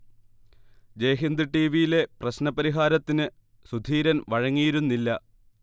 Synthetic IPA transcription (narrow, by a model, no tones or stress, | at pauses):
d͡ʑejːɦind̪ɨʈːiːʋijile̞prɐɕnɐpɐɾiɦaːɾɐt̪ːinɨ | sud̪ʱiːɾɐnʋɐɻɐŋːijiɾunːilːɐ